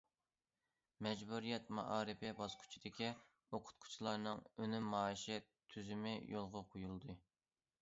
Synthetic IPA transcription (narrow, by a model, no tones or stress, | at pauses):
mɛd͡ʒbuɾijɛt̪mɑ̰ʔɑːɾɨpɪbɑsqʰʊ̥t͡ʃʰid̪̥ɪkʲi | oqʰʊ̥t̪̚qʰʊ̥t͡ʃʰilˠɑɾnɨŋønymːɑːiʃɛt̪ʰyzymɪjolˠʁɑqʰojulˠd̪ɨ